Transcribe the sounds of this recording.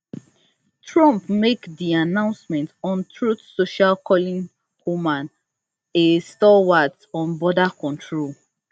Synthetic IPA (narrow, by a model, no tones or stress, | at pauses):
tʰɹɔ̃mpmekdianãʊ̃nsmɛ̃ntɔ̃ntʰɹutsoʃalkʰɔlĩn | humãn | estɔwadsɔ̃nbɔdakɔ̃ntʰɹol